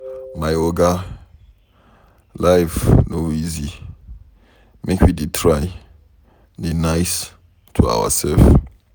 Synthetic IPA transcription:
majoɡa | lajfnoizi | mekʰwidetʰɹaɪ | denaɪs | tʰua̰wa̰sɛlf

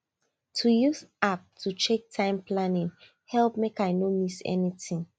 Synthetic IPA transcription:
tʰujuzap̚tʰut͡ʃek̚tʰãɪ̃mpʰlanĩŋ | hɛlp̚mekajnomisɛ̰nitĩŋ

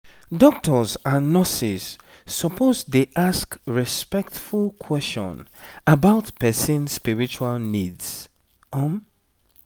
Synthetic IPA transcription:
dɔk̚tɔzanːɔsiz̥ː | ɔpʰozdeʔaskɹispɛk̚tfulˠkʰwɛst͡ʃɔ̰̃nəbaʊtpɛsĩnspiɹit͡ʃualnidz̥ | ʌm

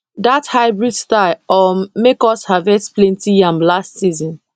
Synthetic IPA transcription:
dathaɪbɹudstaɔmmekɔshavɛksplɛ̃ntijãmlastsizɔ̃n

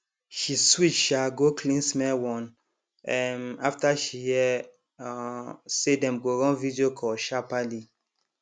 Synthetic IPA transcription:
ʃiswit͡ʃʃaɡokʰlĩnsmɛwɔ̃n | ɛ̃naftaʃijɛ | sedɛ̃mɡoɹɔ̃nvidiokʰɔʃapali

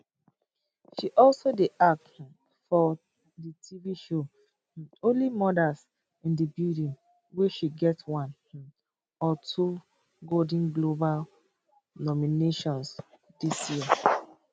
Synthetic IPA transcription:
ʃiʔɔlsodeʔak̚t | fɔ | ditʰiviʃo | õnlimɔdas | ĩndibildĩn | weʃiɡɛtwãn | ɔtʰu | ɡodĩnɡlobal | nɔmineʃɔ̃ns | disjiə

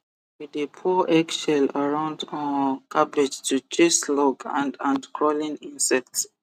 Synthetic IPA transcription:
widepʰɔʔɛɡʃɛlaɹãʊ̃ndə̃kʰabɛd͡ʒtʰut͡ʃislɔɡã̰ndãndkʰɹɔlĩnĩnsɛk̚ts

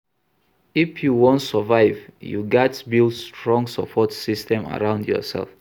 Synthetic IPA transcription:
ifjuwɔ̃ntsəvaɪvjṵɡɛtbilstɹɔ̃ŋɡsəpʰɔtsistɛ̃ma̰ɹãʊ̃ndjɔ̰sɛ̰lf

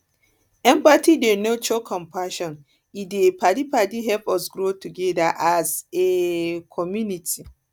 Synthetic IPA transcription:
ɛ̃mpatidenot͡ʃɔkʰɔ̃mpʰaʃɔ̃n | idepʰadipadiɦɛpɔsɡɾotuɡɛdaʔazekʰɔmjunitʰi

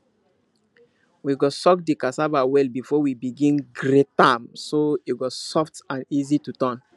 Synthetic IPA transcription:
wiɡɔsɔkdikasabawɛlbifɔwibiɡĩnɡɾetãmsoiɡɔsɔftãnizitutɔ̃n

